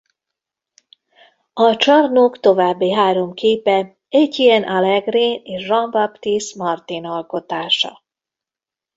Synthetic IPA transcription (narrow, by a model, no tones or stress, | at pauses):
ɒt͡ʃɒrnokt̪o̞vaːbːiɦaːɾo̞mkʰeːpɛ | ɛɟːiɛnʔalɛɡriːneːʃrɒmbapt̪ismɒrt̪inɒlko̞t̪aːʃɒ̰